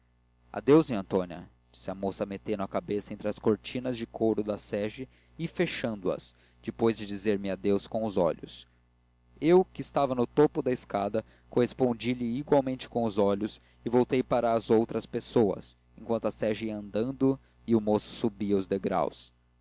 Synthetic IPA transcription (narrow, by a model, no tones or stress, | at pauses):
a̰d̪ewzĩɐ̃nt̪õniɐ̰d͡ʒisɪɐmosɐmet̪enʊɐkabesɐẽnt̪ɾɪɐskoɾt͡ʃĩnɐzd͡ʒɪkʰoɾʊd̪ɐsɛʒɪ | ɪfeʃɐ̃nd̪ʊɐ̰s | d͡ʒɪpojzd͡ʒɪd͡ʒizeɾmɪad̪ewskõw̃ʊzɔ̰ʎʊ̰s | ewkɪːst̪avɐnʊt̪opʊd̪ɐiskad̪ɐ | kohespõd͡ʒiʎɪiɡwawmẽnt͡ʃɪ̥kõw̃ʊzɔʎʊs | ɪvowt̪ejpaɾɐːzowt̪ɾɐspesowɐ̰s | ẽŋkwɐ̃nt̪ʊɐsɛʒiɐɐ̃nd̪ɐ̃nd̪ʊ | iʊmosʊ̥subiɐʊzd̪eɡɾa̰ws